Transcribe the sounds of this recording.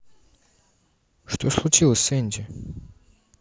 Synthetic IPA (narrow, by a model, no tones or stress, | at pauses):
ʂt̪ʰoslˠut͡ʃʰilˠəsʲɨnʲd͡ʒe